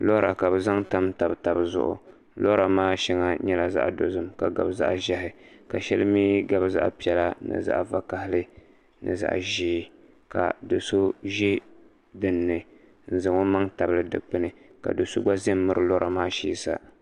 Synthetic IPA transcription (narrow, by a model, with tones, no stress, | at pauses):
lo˦ɾa̰˨ka˨bɨ˨za˦ŋta˦mta˨bɨ˨ta˨bɨ˨zʊ̰˦ʔʊ̰˨ | lo˦ɾa˨maː˦ʃi˦ŋa˦ɲɛ˦la˨za̰˦ʔdo˨zɨ˦mka˨ɡa˨bza̰˦ʔʒa˦ɦɪ˨ka˨ʃɛ˦lɨ˦miː˦ɡa˦bɨ˦za̰˦ʔpi˦ɛ˨la˦nɨ̰˨za̰˦˨ʔva˦ka˦hɪ˦lɨ˦ | nɨ̰˨za̰˨ʔʒiː˦ | ka̰˨do˨so˦ʒi˦ | dɨ˨nːɨ˨ | n̩˨zɨ˨ŋo˦ma˦ŋta˨bɨ˦lɨ˦dɨ̰˨k͡pɨ˦nɨ˨ka̰˨do˨so̰˦ɡ͡ba˦ze˦mːɨ˦ɾɨ˨lo˦ɾʔa˨maː˦ʃḭː˦sa̰˨